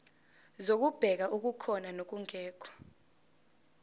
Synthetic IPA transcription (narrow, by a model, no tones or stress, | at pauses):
zok̬ub̥ʱɛk̬aʔuk̬ukʰɔnanok̬uŋʱɛːk̬ʰɔ̥